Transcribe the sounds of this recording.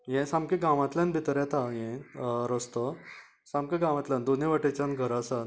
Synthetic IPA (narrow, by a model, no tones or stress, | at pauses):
jɛ̃samkeɡãʋãt̪ljãnbʱit̪ɾjat̪ajɛ̃ɾəst̪ə | sãmkeɡãʋãt̪lʲjãnd̪oneʋaʈet͡ɕanɡʱəɾasan